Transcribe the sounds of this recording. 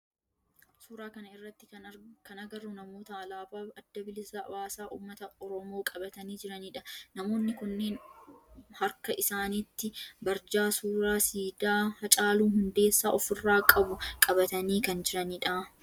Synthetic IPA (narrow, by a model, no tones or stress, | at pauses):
suːɾaːkɐnɐɪrːɐt̪ːɪkɐnkɐnɐɡɐrːʊnɐmoːt̪ɐɐlaːfaːɐd̪ːɐbɪlɪsawaːsaːʔṵːmːɐt̪ɐɔɾɔmo̞ːkʼɐbɐt̪ɐniːd͡ʒɪɾɐniːᶑɐnɐmo̞ːnːɪkʊnːe̞ːn | hɐɾkɐʔɪsaːnit̪ːɪbɐɾd͡ʒaːsuːɾaːsiːd̪aːhɐt͡ʃʼaːluːhʊnd̪e̞ːsːaːʔɔfɪrːaːkʼɐbʊkʼɐbɐt̪ɐniːkɐnd͡ʒɪɾɐniːᶑɐ